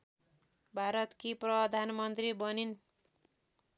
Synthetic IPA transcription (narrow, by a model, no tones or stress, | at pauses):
bʱaɾʌt̪kiprʌd̪ʱanmʌnt̪ribʌnin